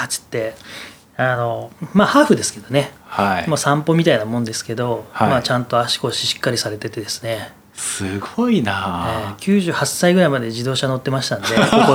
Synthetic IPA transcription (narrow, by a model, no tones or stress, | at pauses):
at͡ɕi̥t̪ːe̞ | ano̞maːhaːɸɯ̟d̪e̞sɨ̥ke̞d̪o̞ne̞haimoːsãmpo̞mʲit̪ainamõnd̪e̞sɨ̥ke̞d̪o̞mat͡ɕãnt̪o̞aɕi̥ko̞ɕiɕi̥kːaɾʲisaɾe̞t̪e̞t̪e̞d̪e̞sɨ̥ne̞ | sɨɡoinaekʲɨːʑɨːhasːaiɡɯ̟ɾaimad̪e̞ʑid̪o̞ːɕano̞t̪ːe̞maɕi̥t̪and̪e̞koko